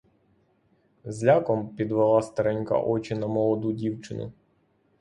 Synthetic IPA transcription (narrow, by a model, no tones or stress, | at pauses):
zlʲakɔmpʲid̪ʋelˠɑst̪ɐɾɛnʲka̰ʔɔt͡ʃɪnɐmɔlˠɔd̪udʲiwt͡ʃɪnʊ̰